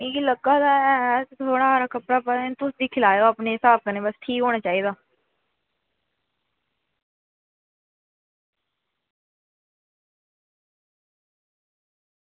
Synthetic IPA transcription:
ɪləɡaːd̪aːɛːtt̪ʰoːɽaːaːɾaːkəpɾaːpət̪ʊsd̪iːkʰɪlaːjoːapneːɦɪsaːb̚kəneːbəsʈʰiːkɦoːɽaːt͡ʃaːiːd̪aː

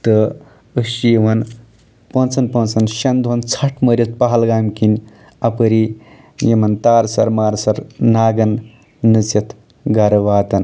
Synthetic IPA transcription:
t̪ə | əʃijeʋɐn | pɐ̃nt͡sɐnpɐ̃nt͡sɐnʃɐnd̪ʱont͡sʰɐʈʰməɾʲit̪̚pɐɦɐlɡaːmkinʲ | ɐpəɾi | jimɐnt̪aːɾsɐɾmaːɾsɐɾnaːɡɐnː | ɨt͡sɐt̪ʰ | ɡaɾɐʋaːt̪ɐn

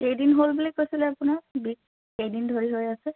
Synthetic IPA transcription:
xejdinɦolbulikojsilɛapʊnabik̚ | xejdindʱoɹiɦojasɛ

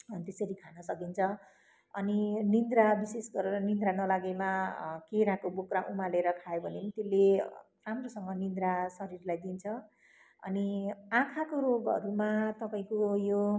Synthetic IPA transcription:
t̪esʌɾikʰanʌsʌkint͡sʰʌ | ʌ̰ninind̪ɾabisesɡʌɾeɾʌnind̪ɾanʌlaɡemakeɾãkobokraʔumaleɾʌkʰajobʱʌnemit̪ele | ramrosʌŋɡʌnind̪ɾasʌɾirlajd̪int͡sʰʌ | ʌ̰niãkʰakoɾoɡʌ̰ɾumat̪ʌpaĩkojo

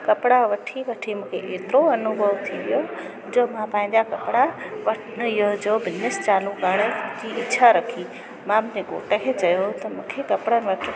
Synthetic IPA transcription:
kɐpɪɽaʋɐʈʰiʋɐʈʰimʊ̃ːkʰeʔeːt̪ɾoɐnubʱəʋt̪ʰiʋijo | d͡ʑoːmãpãːɦɪ̃ɲd͡ʑakɐpɽaʋɐ | jod͡ʑoːbɪnnɪst͡ɕaːluɡəɽ̃əd͡ʑiɪtːɕʰaɾɐkʰi | mãmʊ̃ɦd͡ʑeɡo̰ːʈəkʰeːt͡ɕɐjot̪ɐmũːkʰekɐpɽənʋɐʈʰ

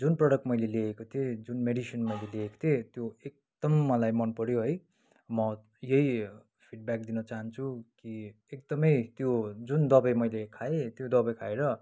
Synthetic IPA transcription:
d͡zunprʌɽʌk̚ʈmʌjleleekot̪ʰied͡zunmeɽisʌnmʌjleleeko̥t̪ʰet̪joek̚d̪̥ʌmːʌlajmʌnpʌɽjoɦʌj | mʌ | jʌj | pʰiʈ̚bak̚d̪inʌt͡saɦʌnt͡sʰuki | ekd̪ʌmʌjt̪jod͡zund̪ʌbʌjmʌjlekʰaet̪jod̪ʌbʌjkʰaeɾʌ

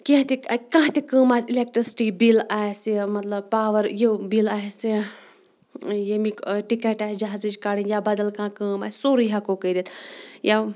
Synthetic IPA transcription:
kĩãt̪ikãːt̪ikəːmaːsilek̚ʈɾisi̥ʈibilaːjesimɐt̪lɐb̚paːʋɐɾjebilaːɦesi | jemiʈikeʈaːɦed͡ʒɐɦazid͡ʒkaːɽinjabɐd̪ɐlkãːkəːma̰ːsoːɾiɦakokɐjɾʲit̪ja

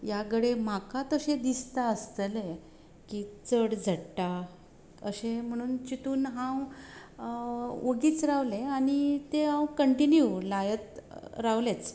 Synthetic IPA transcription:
jaɡəɽem̤akat̪əɕed̪ist̪aəst̪əle | kit͡səɽd͡zʱəɽʈa | ə̰ɕem̤əɽ̃uːnt͡ɕit̪uːnɦãw | oɡiːt͡sɾaʋleaɽ̃it̪eɦãwkəɳʈinjulajət̪ɾaʋlet͡s

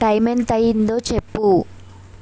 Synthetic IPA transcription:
ʈɐjment̪ɐjind̪o̞ːt͡ʃe̞pːu

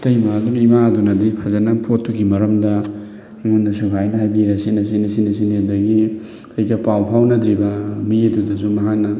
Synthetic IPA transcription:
tɐjmaːdunimaɐdunɐdipʰazanɐpʰotːukʰimɐɾɐmdɐ | ŋundasubʰʱajnɐɦajbiɾasinɐsinisinisiniadɐɡi | ɐjɡɐpawpʰawnɐd̪ɾibɐmiedudɐzumɐɦak̚nɐ

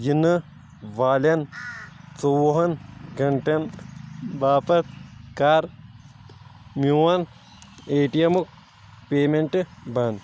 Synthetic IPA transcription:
jinːɨ | ʋaːlɐn | t͡sowuɦɐnɡɐɳʈɐn | baːpɐt̪kaːɾ | mjuɐn | eːʈijɐmuk̚ | peːmeɳʈɨbaːn

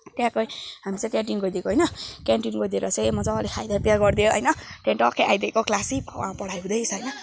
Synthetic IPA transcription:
t̪jãkojɦamit͡sʌ̃t̪jãʈinɡojd̪ekoɦʌjnʌkaɳʈinɡojd̪eɾʌt͡sʌmʌt͡sãʌlekʰajd̪apjaɡʌrd̪ijoʌ̰jnʌt̪jãʈʌkʰeʔajd̪ekoklasibʱʌ̰wa̰pʌɽajɦũd̪ʌjsʰʌjnʌ

